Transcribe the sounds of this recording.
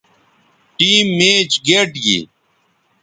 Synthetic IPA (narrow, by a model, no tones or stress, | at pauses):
ʈiːmːeːt͡ɕɡeʈɡḭ